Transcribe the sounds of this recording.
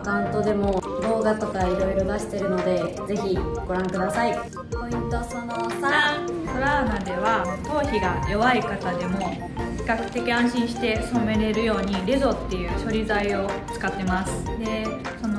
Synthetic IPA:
t̪ãnt̪o̞d̪e̞mo̞bo̞ːɡat̪o̞kaiɾo̞iɾo̞d̪aɕi̥t̪e̞ɾɯ̟no̞d̪e̞ze̞çiɡ̥o̞ɾãŋkɯd̪asai | oit̪osonosaakoɾaːmad̪e̞βat̪o̞ːçiɡajo̞βaikat̪ad̪e̞mo̞ | i̥kːakɯ̟̥t̪e̞kʲiãɰ̃ɕĩɰ̃ɕi̥t̪e̞so̞me̞ɾe̞ɾɯ̟jo̞ːɲ̟iɾʲezo̞t̪ːe̞jɯ̟ːɕo̞ɾʲizaio̞t͡sɨ̥kat̪ːe̞masɨ̥d̪e̞ | so̞no

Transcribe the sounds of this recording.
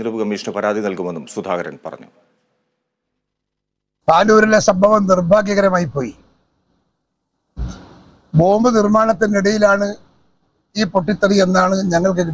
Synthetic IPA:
ɾɐbɨkɐmːiːʂnɐpɐɾaːd̪ʱinɐlkumenːumsud̪ʱaːɡɐɾɐ̰npɐ̰rɐ̰ɲːu | paːluʋɐɾilesɐmbʱɐʋɐmnirbʱaːɡjɐɣɐɾɐmaːjipːo̞ːji | bo̞ːmbɨnirmaːɳɐt̪ːiniɽɐjilaːɳɨ | iːpo̞ʈːit̪ːɐrie̞nːaːɳɨɲɐŋːɐɭk̬eki

